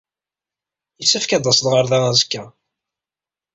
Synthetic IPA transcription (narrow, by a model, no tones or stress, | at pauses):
jəsːæfkæd̪ˤɑsðʁəɾðææzəkːæ